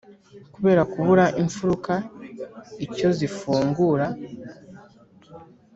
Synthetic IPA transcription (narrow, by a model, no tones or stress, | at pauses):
kuβe̞ːɾakuβuɾaʔiɱfuɾuka | ico̞zifuːŋɡuːɾa